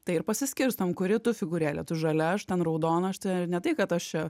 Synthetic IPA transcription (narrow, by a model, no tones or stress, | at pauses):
t̪ɐɪɪɾpɐsʲɪsʲkʲɪɾst̪ɐmkʊɾʲɪt̪ʊfʲɪɡʊɾʲæːlʲɛt̪ʊʒɐlʲɛɐʃt̪ʲɛnrɐʊd̪oːnɐʃt̪ʲɛnʲɛt̪ɐɪkɐt̪ɐʃt͡ʃʲɛ